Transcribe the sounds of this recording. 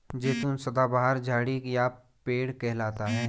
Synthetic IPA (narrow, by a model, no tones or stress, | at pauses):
d͡ʒeːt̪unsɐd̪abaɦəɾd͡ʒaːɽija | peːɽkɛɦlaːt̪aɦɛː